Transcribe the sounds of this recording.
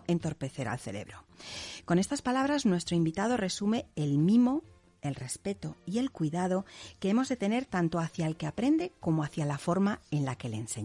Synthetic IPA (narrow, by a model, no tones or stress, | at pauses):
e̞nt̪o̞ɾpe̞θe̞ɾa̰lθe̞le̞̰βɾo̞ko̞ne̞st̪aspalaβɾaznwe̞st̪ɾo̞imbit̪að̞o̞re̞sume̞elmimo | e̞lre̞spe̞t̪o̞ie̞lkwiðað̞o̞keemo̞zðe̞t̪e̞ne̞ɾt̪ant̪o̞aθjaelke̞apɾe̞nd̪e̞ko̞moaθjalafo̞ɾmae̞nlake̞lense̞̰ɲ